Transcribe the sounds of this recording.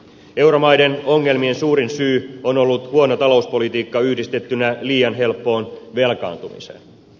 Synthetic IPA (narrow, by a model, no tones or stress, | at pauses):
e̞wɾo̞mɑjde̞no̞ŋːe̞lmie̞nsuːɾinsyːonolːut̪huonot̪ɑlo̞uspo̞lit̪iːkːɑyhdist̪e̞t̪ːynæliːjɑnɦe̞lpːo̞ːnʋe̞lkɑ̰ːnt̪umḭsḛn